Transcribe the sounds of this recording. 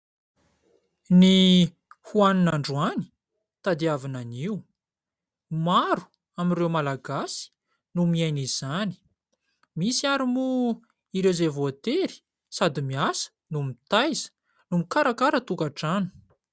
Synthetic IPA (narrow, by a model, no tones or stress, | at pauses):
ni | huaninaɳɖ͡ʐuani̥ | t̪ad̪iavinaniw | maɾu̥ | amirewmalaɡasi̥ | numiajniz̥ani̥ | misiaɾimu | iɾewzevoat̪eɾi̥ | sad̪imiasə̥numit̪ajzə̥ | numikaɾakaɾət̪ukaʈ͡ʂanu̥